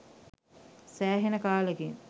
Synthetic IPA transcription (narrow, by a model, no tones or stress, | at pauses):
sæːɦenəkaːləɡeŋ